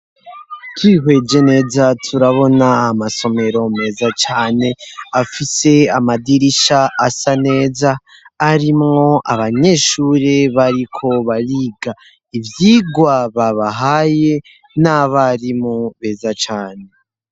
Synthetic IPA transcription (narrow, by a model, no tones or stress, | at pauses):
kʰiɦwe̞d͡ʒene̞ːzatʰuɾaβo̞naːmaso̞me̞ɾo̞me̞ːzat͡ʃaːne̞afise̞amadiɾiʃaːsane̞ːzaː | ɾimŋo̞ʔa̰βaɲe̞ʃuːɾe̞βaɾikʰo̞βaɾiːɡa | ivjiːɡwaβaβaɦaje̞ | naβaɾimoβe̞ːzat͡ʃaːne̞